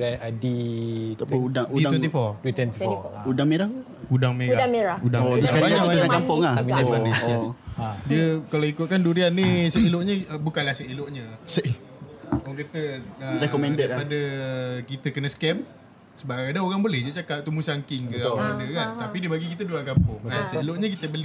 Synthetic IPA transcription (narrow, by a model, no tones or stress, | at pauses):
ɾaadit̪audaŋut̪wɛ̃nt̪ifɔrdt̪wɛnt̪iɔudaŋmeɾa | udaŋmeɾadameɾaudaŋot̪uskaɾbaɲaaakampʊŋamidəanesadiəkaloikʊt̪̚kanduɾianːisəiloʔɲəbukanlahsəiloʔɲəsə | ɔŋkət̪əəɾekɔmɛndəpadəkit̪əkənəsə̥kɛm | səbaɾaŋadaoɾaŋbolɛhd͡ʒət͡ʃakaʔ̚t̪umusaŋkɪŋkəaməndəkant̪apidibaɡikit̪əduankampʊŋasəiloʔɲəkit̪əbəli